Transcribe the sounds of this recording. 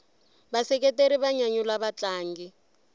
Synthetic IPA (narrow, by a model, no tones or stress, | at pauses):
basɛk̬ʼɛteɾiβaɲaɲulaβat͡ɬʼaːŋɡi